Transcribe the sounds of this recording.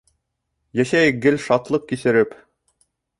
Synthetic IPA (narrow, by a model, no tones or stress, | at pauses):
jæɕæj̚ɡɘlʃɑt̪lˠɤp̚kisɘ̆ɾɘp